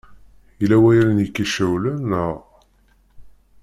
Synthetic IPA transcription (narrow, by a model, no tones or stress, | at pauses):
ilæwæjɾnjəkːiʃæwlænəʁ